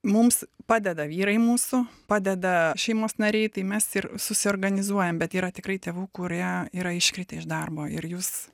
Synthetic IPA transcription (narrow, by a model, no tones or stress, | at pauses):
mʊmspɑːd̪ʲɛd̪ɐʋʲiːɾɐɪmuːsʊpɑːd̪ʲɛd̪ɐʃʲɛɪmoːsnɐɾʲɛɪt̪ɐɪmʲɛsɪrsʊsʲɪoːrɡɐnʲɪzuɔjɛmbʲɛt̪iːɾɐt̪ʲɪkrɐɪt̪ʲeːʋuːkʊɾʲiɛiːɾɐɪʃʲkɾʲɪt̪ʲeːɪʒd̪ɐrboːɪrjuːs